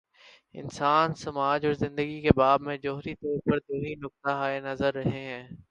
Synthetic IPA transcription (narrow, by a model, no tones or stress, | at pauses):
ɪ̰nsaːnsɐmaːd͡ʒɔːɾzɪ̃nd̪əɡikebaːbmẽd͡ʒoːɦɾit̪ɔːɾpəɾd̪oːninʊk̚t̪aɦaːenɐzəɾːɐɦeɦɛ̃ː